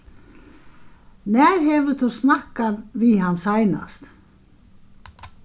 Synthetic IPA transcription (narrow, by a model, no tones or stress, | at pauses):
nɛːɾ̥ɦɛvʏθʰusnahkaðviɦanːsaːjna̰st̪